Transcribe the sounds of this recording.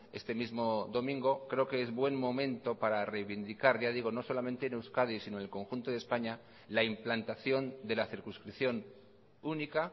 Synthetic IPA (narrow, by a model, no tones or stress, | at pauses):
e̞̰st̪e̞mizmo̞ðo̞mĩŋɡo̞kɾe̞o̞ke̞ezβwe̞mmo̞mẽ̞nt̪o̞paɾare̞jβind̪ikaɾʝaðiɣ̞o̞no̞so̞lamẽ̞nt̪eːnewskað̞isinonelko̞ŋxunt̪o̞ðe̞spaɲa | laimplant̪aθjo̞nd̪e̞laθiɾkunskɾiθjo̞n | unika